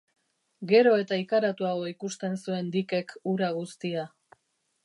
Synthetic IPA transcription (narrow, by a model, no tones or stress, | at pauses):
ɡe̞ɾo̞e̞t̪aikaɾat̪uaɣo̞ikust̪e̞nsue̞nd̪ike̞kuɾaɣ̞ust̪ia